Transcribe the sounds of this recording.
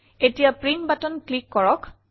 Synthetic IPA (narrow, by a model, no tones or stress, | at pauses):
etijapɹinbatɔnklikːɔɹɔk